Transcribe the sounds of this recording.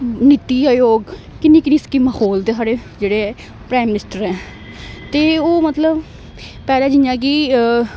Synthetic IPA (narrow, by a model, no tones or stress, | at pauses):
nɪt̪iːajoːɡ | kɪnːĩːkɪnĩːskimahoːlt̪eːsaːɽeːd͡ʒeːɽeːɛː | pɾaːɪmɪnɪsʈəɾɛ̃ː | t̪eːoːmət̪ləb | pɛːlãːd͡ʒɪjãːkiː